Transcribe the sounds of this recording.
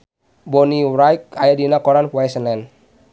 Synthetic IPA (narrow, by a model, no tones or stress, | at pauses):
bɔniɾajk̚ajadinakɔɾanwajsənlɛn